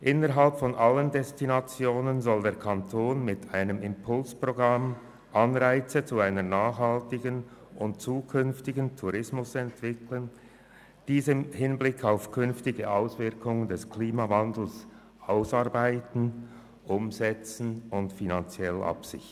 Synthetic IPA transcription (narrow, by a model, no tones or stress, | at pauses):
ʔɪnəʁɦalpfɔnʔaləndɛstinat͡sjoːnənzɔldeːɐkʰantʰoːnmɪtʰaɪnəmɪmpʰʊlspʁ̥oɡʁam | ʔanʁaɪt͡sət͡suaɪnənaːχhaltɪɡən | ʔʊntt͡suːkʰʏnftɪɡən̩tʰuʁɪsmʊsɛntv̥ɪkʰlən | d̥iːzɪhɪnblɪkʰaʊfkʰʏnftɪɡəʔaʊsv̥ɪʁkʰʊŋəndɛskʰliːmavandl̩s | ʔaʊsaɐʁbaɪtn̩ | ʔʊmzɛt͡sn̩ʊntfinant͡sjɛlʔa̰psɪ̰çt